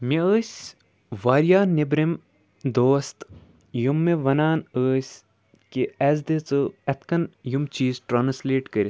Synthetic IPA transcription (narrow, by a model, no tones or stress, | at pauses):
miəːsʲ | ʋaːɾjaːnibɾim | d̪oːst̪ | jumːeʋɐnaːnəːsʲ | kiɛzd̪et͡sɨɐt̪ʰkɐnjumt͡ʃiːzʈɾaːnsleːʈkɐɾʲi